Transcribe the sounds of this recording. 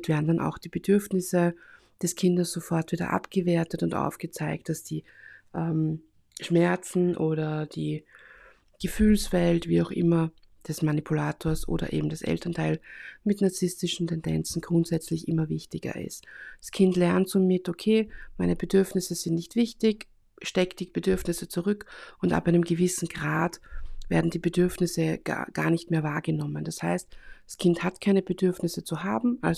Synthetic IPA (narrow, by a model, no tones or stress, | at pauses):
tv̥ɛːɐdn̩danʔa̰ʊxd̥iːb̥əd̥ʏɐfnɪsə | d̥ɛskʰɪndɐsz̥ofɔɐtv̥iːdɐ̰ʔa̰pɡ̥əveːɐtətʊntʔa̰ʊfɡ̥ət͡saɪk̚t̚d̥asd̥iːʔɛm | ʃmɛɐt͡sn̩ʔoːɾɐd̥iː | ɡ̥əfyːlsv̥ɛltv̥iːaʊxʔɪmɐd̥ɛsmanipʰulaːtʰoːɐsʔo̰ːdɐ̰ʔḛːbm̩d̥asʔɛ̰ltɐntʰaɪlmɪtnaɐt͡sɪstɪʃn̩tʰɛndɛ̰nt͡sn̩ɡ̥ʁʊntz̥ɛt͡slɪçʔɪmɐvɪçtɪɡɐ̰ɪ̰std̥askʰɪntlɛɐntt͡sumɪtokʰeːmaɪnəbədʏɐfnɪsəzɪntnɪçtv̥ɪçtɪç | ʃtɛktd̥ɪçb̥ədʏɐfnɪsət͡suʁʏkʊnta̰pʔaɪnəmɡəvɪsn̩ɡʁaːtv̥ḛːɐdn̩diːbədʏɐfnɪsəɡ̥a̰ɡ̥a̰ːɐnɪçtmeːɐvaːɐɡənɔmənd̥ashaɪstd̥askʰɪnthatkʰaɪnəb̥ədʏɐfnɪsət͡suɦaːbm̩ʔal